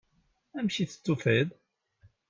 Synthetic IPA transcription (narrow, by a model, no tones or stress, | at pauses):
æmʃiθə̥t͡sːufəð